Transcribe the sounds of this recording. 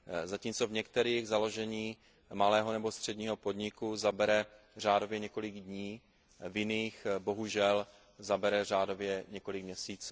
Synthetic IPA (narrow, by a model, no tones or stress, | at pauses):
zaciːmt͡so̞vɲɛkt̪ɛɾiːɣzalo̞ʒɛɲiː | malɛːɦo̞nɛbo̞st̪r̝̥ɛdɲiːɦo̞po̞dɲɪkuzabɛɾɛ | r̝aːdo̞vjɛɲɛko̞lɪɡdɲiː | vjɪniːxbo̞ɦuʒɛl | zabɛɾɛr̝aːdo̞vjɛɲɛko̞lɪkmɲɛsiːt͡sː